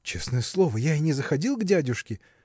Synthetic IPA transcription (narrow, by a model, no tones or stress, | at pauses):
t͡ɕesnəjəslˠo̞vəjaɪnʲɪzəxɐdʲilˠɡdʲædʲʊʂkʲɪ